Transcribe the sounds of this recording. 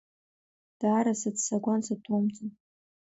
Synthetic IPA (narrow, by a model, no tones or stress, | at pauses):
d̥aːɾasatsaɡʷansatʰomt͡sʼɨ